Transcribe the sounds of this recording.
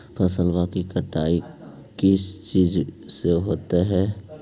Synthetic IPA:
pʰəsəlbakikəʈaːi | kɪst͡ʃiːzseɦoːt̪eɦɛː

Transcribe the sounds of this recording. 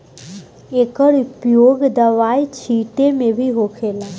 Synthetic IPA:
eːkəɽʊpjoːɡd̪əʋajt͡ʃʰiːʈemẽbʱiɦoːkʰeːlaː

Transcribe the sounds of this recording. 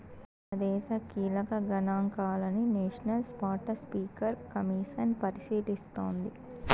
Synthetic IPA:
ɐd̪ɛːʃɐkiːlɐkɐɡɐnaːŋkaːlɐnineːʂɐnɐlspaːʈɐspiːkɐɾkɐmiːʂɐnpɐɾisiːd̪ist̪oːnd̪i

